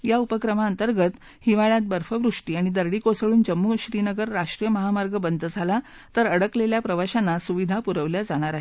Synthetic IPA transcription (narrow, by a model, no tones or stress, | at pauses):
jaupəkɾəmaənt̪əɾɡət̪ | hiʋaɭjat̪̚bəɾfəʋɾuʂʈiːaɽ̃id̪əɾɽikosəɭuːnd͡ʑəmːuːɕɾinəɡəɾːaʂʈɾijəməɦamaɾɡəbənd̪d͡zʱala | t̪əɾəɽəkleljapɾəʋaɕanːasuʋid̪ʱapuɾəʋljad͡zaɽ̃aɾaɦe